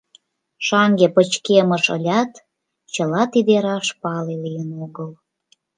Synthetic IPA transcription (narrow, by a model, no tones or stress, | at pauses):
ʃɑŋɡepət͡ɕkeməʃə̰lʲɑt̪ | t͡ɕəlɑt̪id̪eɾɑʃpɑlelijənoɣəl